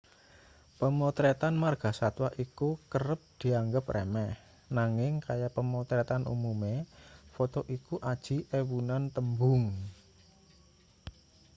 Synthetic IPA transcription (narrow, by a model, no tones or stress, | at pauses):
pəmot̪ɾet̪anmarɡ̥a̤sat̪waʔikukəɾəp̚d̪̥i̤aŋɡəprʔḛmɛh | naŋɪŋkajapəmɔt̪ɾɛt̪anʔṵmumefot̪ɔʔikuʔad̥ʒ̥i̤ʔewunant̪əmbʊŋ